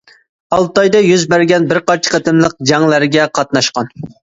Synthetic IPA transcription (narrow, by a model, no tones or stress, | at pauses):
ɑlˠt̪ɑjd̪ɑjyzbæɾɡʲɛnbɪɾqɑɾt͡ʃʰɪ̥qʰɑt̪ʰɨmlˠəq̚d͡ʒɑŋlˠæɾɡʲɛqʰɑt̪̚nɑʃqɑn